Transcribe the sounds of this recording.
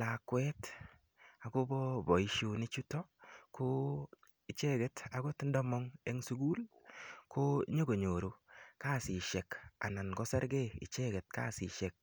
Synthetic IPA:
la˨kwɛ˦t | a˨ko˦bɔ˦bɔ˨i˦ʃo˨nɪ˦t͡ʃu˦tɔ˦kʰo˦ | ɪ˦t͡ʃe˦ɡɛ˨˦ta˨˦ɡo˦tɪ˦ndɔ˦mɔ˦ŋe˦ŋsu˦ɡu˦lko˦ɲo˦ɡo˨ɲo˨ɾo˨ka˦˨sɪ˨ʃɛ˨ka̰˨na˨nɡɔ˦sɛ˦ɾɡɛ˦ɪ̰˨t͡ʃɛ˦ɡɛ˨t̚ka̰˦˨si˨ʃɛ˨k̚

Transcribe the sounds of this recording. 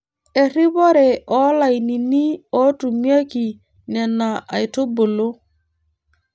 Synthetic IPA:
e˨ɾi˦βɔ˦ɾe˨ʔɔ˨˦la˨jni˨ni˦ɔ˨˦tu˨mi˦a˦ki˨ | nɛ˨nːa˨ʔa˨jto˦bo˨lo˦

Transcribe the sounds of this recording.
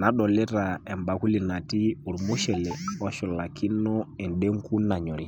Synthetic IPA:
na˨ɗɔ˨lɛ˦ta˨ɛ˨mba˨ku˦li˨na˨ti˦u˨ɾmu˦ʃɛ˨lɛ˨ɔ˦ʃɔ˨la˨kʰi˦nɔ˦ɛ˨nde˦ŋku˦na˨ɲɔ˨ɾi˦

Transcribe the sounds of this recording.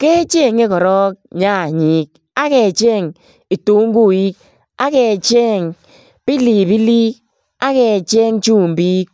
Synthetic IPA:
ke˦t͡ʃe˦˨ŋe˦kɔ˨ɾɔ˦k̚ɲa˦˨ɲi˦k̚ | a˦ke˨t͡ʃe˦˨ŋ | i˨to˦ŋ̩˦ɡu˦˨ji˦k̚ | a˦ke˨t͡ʃe˦˨ŋ | pi˦li˨pi˦li˦k̚ | a˦ke˨t͡ʃe˦ŋt͡ʃuː˦˨m˨bi˦k̚

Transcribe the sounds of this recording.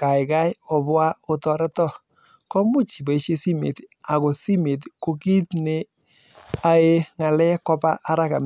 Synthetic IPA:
ka˨ɪ˨ka˦jɔ˨bwa˦o˦tɔ˨ɾɛ˦tɔ˦˨ | kɔ˦mu˦t͡ʃi˨ba˨i˨ʃe˦si˦mḛ˨ta˨ko˨si˦me˨tko˨ki˦tne˦ | a˦e˦ŋa˨lɛ˦kɔ˦ba˦ʔa˦ɾa˦ka˨m

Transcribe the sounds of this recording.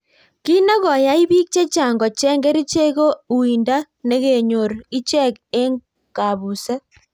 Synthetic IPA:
ki˦na˦kɔ˨ja˦i˦βi˦k̚t͡ʃe˦t͡ʃa˨ŋɡɔ˨t͡ʃɛ˦ŋɡɛ˦ɾi˦t͡ʃe˦ko˦u˨i˨nda˦ | ne˦ɣe˨ɲo˨ɾi˦t͡ʃɛ˦˨ke˦ŋ | ka˨βu˨sɛ˦

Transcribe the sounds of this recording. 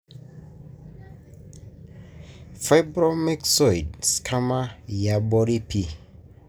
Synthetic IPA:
fa˦jbɾɔ˦mɛ˦ksɔ˨jd̚skʰa˦ma˦ja˨bɔ˦ɾi˦pʰi˦

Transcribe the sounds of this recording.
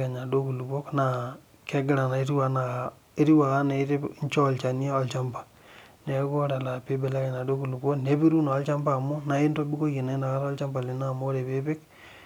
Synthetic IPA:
ke˨ɲa˨do˦ku˨lu˨po˦kna˨ | ke˦ɡɪ˦ɾa˨na˨e˦ɾi˦wa˨˦na˨a˨ | e˦ɾi˦wa˨ka˦na˨˦te˦ɲ˦t͡ʃɔ˦˨lt͡ʃa˨ni˦a˦ɔ˨lt͡ʃa˦mpḁ˨ | ne˨˦ko˦ɾa˨la˨pe˦be˨la˦kɛ˨ɲa˨do˦ku˨lu˨bo˦kne˦bi˦ɾu˦naː˨˦lt͡ʃa˦mba˦˨mo˦na˨˦i˦nto˦bi˦ko˦je˨na˨i˦na˨ka˦ɾlt͡ʃa˦mba˨li˨na˦˨mo˦ɾe˨pe˦pɪ˦k

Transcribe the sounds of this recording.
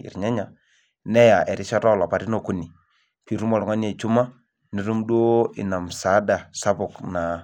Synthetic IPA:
ɪ̰˨ɾɲa˦ɲa˨ | nɛ˦ja˨ʔɛ˨ɾɪ˦ʃɔ˦ta˦ɔ˨la˨pa˨ɾi˦no˦˨ku˦ni˨ | pi˨ɾu˦mɔ˨ɾŋa˦n˦e˨t͡ʃu˦ma˦ | ni˨ɾu˦mdo˦ɪ̰˨na˨msa˨˦da˨sa˦bʊ˨kna˨

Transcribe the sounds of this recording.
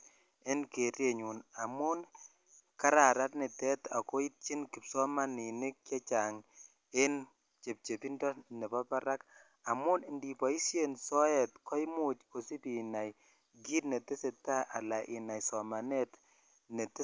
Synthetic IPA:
ɪ˦nke˨ɾje˦˨ɲu˨na˨mu˦n | ka˦ɾa˨ɾa˦tnɪ˨tɛ˦ta̰˨ko˦i˦t̚t͡ʃi˦nkɪ˨psɔ˦ma˦ni˨nɪ˦k̚ːɛ˦t͡ʃa˨ŋ | e˦n | t͡ʃe˨p̚t͡ʃe˨pi˦ndɔ˦nɛ˨pɔ˦pa˦ɾa˦k | a˨mu˦nɪ˨ndi˨pɔ˨i˦sje˨nsɔ˦ɛ˨tkɔ˦jmu˦t͡ʃo˨si˦pi˨na˨j | ɡi˦tnɛ˨te˦se˨ta˦ʔa˨la˨ʔɪ˨na˨jsɔ˨ma˨nɛ˦t | nɛ˨te˦

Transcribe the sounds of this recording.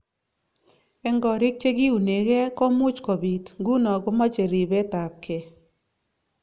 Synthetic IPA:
ɛ˦ŋɡɔ˨ɾɪ˦k̚t͡ʃe˦ki˦u˨ne˨ɣɛ˦kɔ˦mʊ˦t͡ʃkɔ˨bi˨tŋɡu˦nɔ˨kɔ˦mɔ˦t͡ʃe˨ɾi˨be˦ta˨p̚kʰe˨

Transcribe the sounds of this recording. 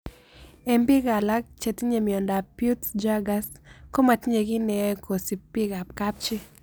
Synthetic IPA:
ɛ˨mbɪ˦ɡa˨la˦k̚t͡ʃe˨t̪i˦ɲe˨mjɔ˨nda˨pju˦td͡ʒa˦ɡasko˦ma˨tɲe˨ɡɪ˦nɛ˨ɔ˦ɛkʰo˨si˨pi˦ɡa˨p̚ka˦p̚t͡ʃɪ˦

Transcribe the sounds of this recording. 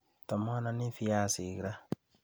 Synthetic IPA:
tɔ˨mɔ˦na˦ni˦fi˦ja˦˨si˨ɣi˨ɾa˦

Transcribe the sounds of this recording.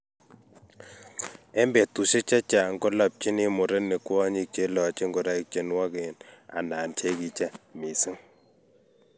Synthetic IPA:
ɛ˦mbɛ˨tu˨ʃe˦t͡ʃa˦t͡ʃa˨ŋɡɔ˦la˨p̚t͡ʃi˦ni˦mʊ˨ɾe˦ne˨kwɔ˦ɲi˦k̚t͡ʃe˦lɔ˨t͡ʃe˦ŋɡɔ˨ɾa˦ɪ˦k̚t͡ʃe˨˦nwa˦ke˨na̰˨naː˨nt͡ʃe˦ki˨t͡ʃa˦mi˨sɪ˦ŋ

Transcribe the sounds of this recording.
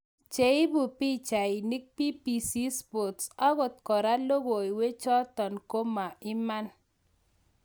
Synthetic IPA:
t͡ʃe˨ɪ˦bu˨pi˦t͡ʃa˨ɪ˨ni˦k̚pi˦pi˨si˦spo˨tsa˦ɡo˨t̪̚kɔ˨ɾa˦lo˦ɡo˨i˨we˦t͡ʃɔ˦tɔ˨nko˦ma˨ɪ˦ma˦n

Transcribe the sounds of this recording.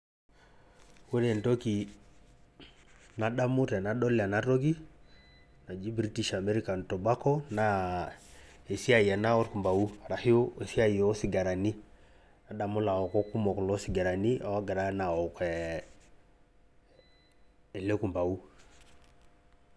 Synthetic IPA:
wo˦ɾe˨nto˦ki˨ | na˨ɗa˦mu˦tɛ˨na˨˦ɗɔ˦la˨na˦to˦ɡi˦ | na˨d͡ʒi˦bɾi˦ti˨ʃa˨mɛ˦ɾi˦ka˨n˨tɔ˨ba˦kɔ˦na˦ | e˨si˦a˦˨ja˨na˦ɔ˦ɾku˨mba˨wu˦a˨ɾa˨hi˦o˦e˨si˦a˦˨jɔ˨˦si˨ɡa˨ɾa˨ni˦ | na˨ɗa˨mu˦la˨ɔ˨ko˦ku˦mɔ˨klɔ˦si˨ɡa˨ɾa˨ni˦ʔa˨wa˦ɡa˨ɾa˦na˨ɔ˨kɛ˨ | le˦ku˨mba˨u˦

